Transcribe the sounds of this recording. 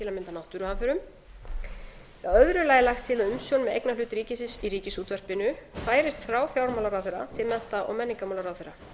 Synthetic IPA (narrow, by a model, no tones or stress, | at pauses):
ɪlamɪnt̪anawht̪ʏɾʏhanfɛɾʏm | œðɾʏlaːjɪlajxt̪ʰːɪlaðʏmsjownmɛðḛjknalʏːt̪ɾiːcɪsɪsiɾiːcɪsuːt̪vœr̥pɪnʏfaːjɾɪst̪θɾawfjawɾmawlaɾawθɛɾa̰t̪ʰɪlmɛn̥t̪aʔɔ̰ɣmɛnːɪiŋkamawlaɾaðθeɾa